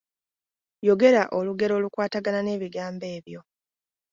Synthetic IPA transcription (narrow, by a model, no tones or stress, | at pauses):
jo̞ɡe̞ɾaʔoluɡe̞ɾo̞ːlukwaːtaɡanane̞ːβiɡaːmbe̞ːβjo̞